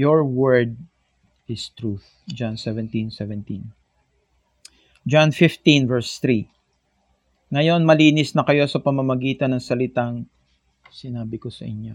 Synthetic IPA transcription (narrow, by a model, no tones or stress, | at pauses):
joɹwɛɹd̪̚ | ɪst̪ɾuθ | d͡ʒansɛvɛ̃nt̪ĩnsɛvɛnt̪ĩn | d͡ʒanfɪft̪ĩnvɛɹst̪ɾi | ŋɐjo̞nmɐliːnɪsnɐkɐjo̞sɐpɐmɐmɐɡiːt̪ɐnːɐŋsɐlɪt̪aŋ | sɪnaːbɪko̞sɐʔɪ̰ɲo̞